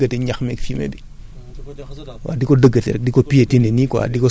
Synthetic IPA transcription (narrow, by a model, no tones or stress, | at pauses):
ɡətiɲaxmɛkfimḛdi | wa̰dikodəɡatɛ̰ɾɛdikopijetinenikwa̰diko